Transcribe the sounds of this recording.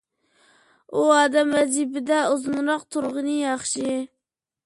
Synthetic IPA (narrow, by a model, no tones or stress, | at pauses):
uɑːd̪ɛmɛzibɪd̪ɛozɨnɾɑq̚t̪ʰuɾʁənɨjɑχʃi